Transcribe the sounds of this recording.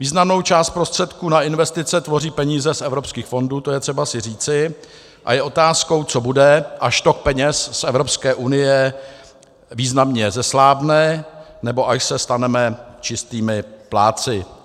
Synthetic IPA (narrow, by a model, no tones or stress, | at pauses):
viːznamno̞wt͡ʃaːst̪pɾo̞st̪r̝̥ɛt̪kuːnaɪnvɛst̪ɪt͡sɛt̪vo̞riːpɛɲiːzɛsʔɛvɾo̞pskiːxfo̞nduːt̪o̞jɛt̪r̝̥ɛbasɪr̝iːt͡sɪ | ʔa̰jɛʔo̞t̪aːsko̞wt͡so̞budɛʔaʃt̪o̞k̚pɛɲɛssʔɛvɾo̞pskɛːʔunɪjɛ | viːznamɲɛzɛslaːvnɛː | nɛbo̞ʔaʃsɛst̪anɛmɛt͡ʃɪst̪iːmɪplaːt͡sɪ